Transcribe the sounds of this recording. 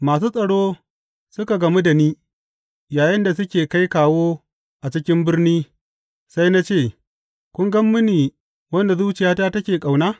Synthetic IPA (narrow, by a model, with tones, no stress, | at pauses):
maː˨s̬uː˦sʼɐ˨ɽoː˦ | sʊ˦ka˨ɡɐ˨mi˦da˨niː˦ | jaː˨jɪ˦nda˨s̬ʊ˦kʲeː˨ka˦jkaː˨woː˦ | ʔa˨t͡ʃɪ˦kʲɪ˦mbɪ˦rniː˦ | sa˦jna˦t͡ʃeː˦˨ | kʷʊ˦ŋɡɐ˦mːʊ˦niː˨ | wɐ˦nda˨zuː˦t͡ʃɪ˨jaː˦taː˦tɐ˦kʲeː˨kʼa˨wnaː˦